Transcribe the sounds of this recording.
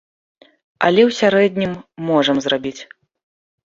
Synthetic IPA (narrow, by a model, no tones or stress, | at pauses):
ɐ̰lʲɛwsʲaɾɛd̪ʲnʲimːɔʐɐmzrabʲit͡sʲ